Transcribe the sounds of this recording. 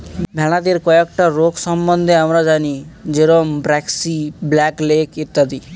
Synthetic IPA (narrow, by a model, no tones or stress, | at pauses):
bʱɛɽ̃ad̪eɾkɔɛkʈaɾoksɔmbɔnd̪ʱeamɾad͡ʒanid͡ʒeɾombɾɛksiblɛklekit̪ːad̪i